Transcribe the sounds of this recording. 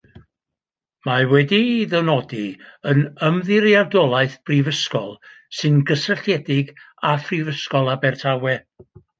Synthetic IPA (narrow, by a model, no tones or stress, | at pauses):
mawɛdiðɛwnɔdiənəmðɪɾjardɔlˠaɨθb̥rivəskɔ̰lˠsɨnɡəsəɬjɛdɪɡ | afrivəskɔlˠabɛrtʰawɛ